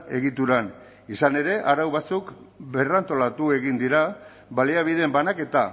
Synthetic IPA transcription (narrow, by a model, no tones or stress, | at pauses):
e̞ɣit̪uɾan | isane̞ɾe̞ʔaɾawβat͡suk | be̞rant̪o̞lat̪ue̞ɣind̪iɾa | βaliaβ̞iðe̞mbanake̞t̪a